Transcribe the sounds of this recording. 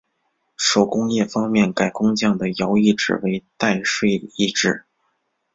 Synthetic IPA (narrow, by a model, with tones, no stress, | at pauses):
ʂo˨˩ʊkʊ˥ŋjɛ˥˩fɑ˥ŋmjɛ˥˩nka˨˩ɪkʊ˥ŋt͡ɕjɑ˥˩ŋd̪ə˩jɑ˧˥ʊi˥˩ʈ͡ʂɻ̩̰˨˩we˧˥ɪt̪a˥˧ɪʂwe˥˧i˥˧ʈ͡ʂɻ̩˥˩